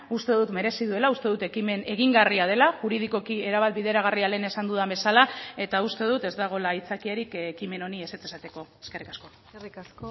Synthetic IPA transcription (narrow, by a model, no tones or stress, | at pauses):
ust̪e̞ðut̪me̞ɾe̞siðue̞laust̪e̞ðut̪ekimene̞ɣiŋɡariað̞e̞laʝuɾiðiko̞kie̞ɾaβat̪̚biðe̞ɾaɣ̞ariale̞ːne̞sand̪uðambe̞salae̞t̪aust̪e̞ðut̪e̞zd̪aɣ̞o̞lait͡sakiaɾikːkime̞no̞nie̞se̞t͡sesat̪e̞ko̞eske̞rikasko̞ | rikaso